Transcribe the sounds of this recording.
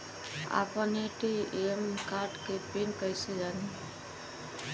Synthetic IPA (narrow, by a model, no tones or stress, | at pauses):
a̰pəneʈiemkaɾɖkebinkəjsed͡ʒani